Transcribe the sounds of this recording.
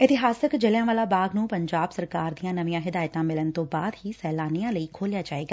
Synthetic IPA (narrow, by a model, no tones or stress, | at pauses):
ɪt̪ɪɦaːsəkd͡ʒəljãːʋaːlaːbaːɡnũːpəɲd͡ʒaːbsəɾkaːɾd̪ijãːnəʋĩjãːɦɪd̪aːjt̪ãːmɪlənt̪õːbaːd̪ɦiːsɛːlaːnijãːləiːkʰoːljaːd͡ʒaːeːɡaː